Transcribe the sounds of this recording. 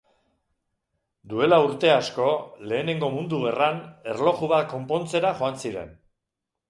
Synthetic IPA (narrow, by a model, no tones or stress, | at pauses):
d̪ue̞lauɾt̪e̞asko̞le̞ːne̞ŋɡo̞mund̪uɣerane̞rlo̞ɣuβako̞mpo̞nt͡se̞ɾaʝo̞ansiɾe̞̰n